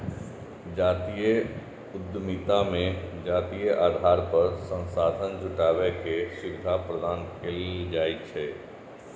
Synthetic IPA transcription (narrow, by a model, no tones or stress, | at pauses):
d͡ʒaːt̪ijə | ʊd̪mit̪amẽd͡ʒaːt̪iːjəʔaːd̪ʱaːɾpəɾsə̃nsaːd̪ʱənd͡ʒʱʊʈaːwekesɪʋɪd̪ʱapɾəd̪aːnkʰeld͡ʒaːit͡ʃʰɛ